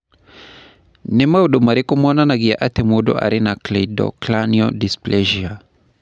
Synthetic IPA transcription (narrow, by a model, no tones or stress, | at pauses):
nɛmauɗumaɾikumɔnanaɡia̰ʔat̪ɛmuɗɔ̰ʔa̰ɾinakledɔ̰klaniɔdisplɛʒia